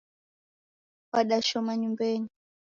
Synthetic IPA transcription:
waɗaʃɔmaɲumbɛni

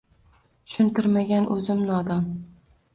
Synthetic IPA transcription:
ʊ̥ʃʊnt̪ɪɾmaɡʲanʔɵzɪmnɒd̪ɒn

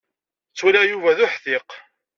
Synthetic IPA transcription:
t͡sːulæjuvæðʊħθɪq

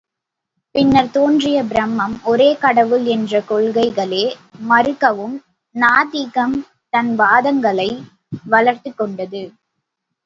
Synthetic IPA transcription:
pɪnːɐɾt̪oːndrɪjɐbɪɾɐmːɐmɔɾeːkɐɽɐʋɯlɛndrɐkɔɭɣɐɪɣɐɭeːmɐɾɯkːɐʋɯm | naːðiɣɐm | t̪ɐnʋaːðɐŋɡɐɭɐɪ | ʋɐɭɐɾt̪ɯkːɔɳɖɐðɯ

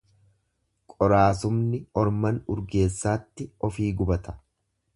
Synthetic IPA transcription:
kʼɔɾaːsʊmnɪɔɾmɐnʊɾɡe̞ːsːaːt̪ːɪɔfiːɡʊbɐt̪ɐ̥

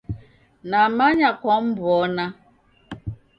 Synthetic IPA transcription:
namaɲakɔm̩bʊɔna

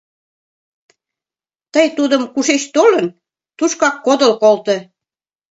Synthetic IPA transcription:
t̪əjt̪ud̪əmkuʃeɕt̪olən | t̪uʃkɑkːod̪ə̆lkolt̪ɤ̆

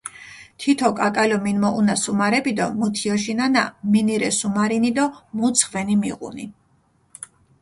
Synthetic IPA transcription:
t̪ʰit̪ʰɔkʼakʼalɔminmɔʔunasumaɾɛbid̪ɔmut̪ʰiɔʃ̬inana̰miniɾɛsumaɾinid̪ɔmut̪sʰχvɛnimiʁṵni

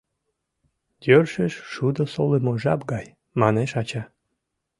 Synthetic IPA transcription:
d̪̥ʲørʃeʃʃud̪əsolemoʒɑpɡɑj | mɑneʃɑt͡ɕɑ

